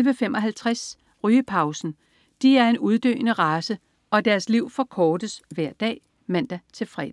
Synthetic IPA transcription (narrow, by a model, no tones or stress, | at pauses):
lʋəfemʔɒ̽ɦælt͡sʰʁas | ʁyːəpʰɑ̈ʊsn̩ | d̥iæɐe̝nuð̞ˠd̥ø̰ːnəʁɑ̈ːsə | ɒ̽d̥æɐsliʊ̰fɒ̽kʰɒːd̥əsʋæɐ̰d̥ɛ̰ː | mæn̰d̥æt͡sʰe̝lfʁɛ̰̥